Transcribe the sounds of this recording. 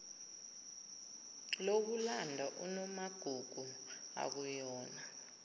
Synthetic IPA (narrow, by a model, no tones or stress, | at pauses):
lok̬ulandʱaʔunɔmaɡ̥ʱuɡ̥ʱu | a̰k̬ujɔːna